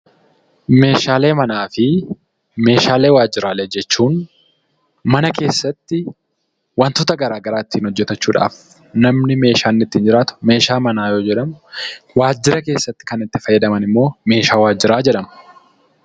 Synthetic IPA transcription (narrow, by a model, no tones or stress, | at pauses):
me̞ːʃaːle̞ːmɐnaːfɪ | me̞ːʃaːleːwaːd͡ʒːɪɾaːlɛd͡ʒɛt͡ʃːuːn | mɐnɐke̞ːsːɐt̪ːɪ | wɐnt̪oːt̪ɐɡɐɾaːɡɐɾaːɪt̪ːiːnhɔd͡ʒːɛt̪ɐt͡ʃːuːᶑa̰ːf | nɐmnɪme̞ːʃaːnːɪt̪ːiːnd͡ʒɪɾaːt̪ʊ̥me̞ːʃaːmɐnaːjo̞ːd͡ʒɛᶑɐmʊwaːd͡ʒːɪɾɐke̞ːsːɐt̪ːɪ̥kɐnɪt̪ːɪfɐjːɐd̪ɐmɐnɪmːo̞ːme̞ːʃaːwaːd͡ʒːɪɾaːd͡ʒɛᶑɐmɐ